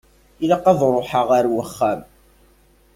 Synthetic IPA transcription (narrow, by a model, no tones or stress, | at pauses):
ilaqːɑðˤɾˤoħəʁaɾwəχːæm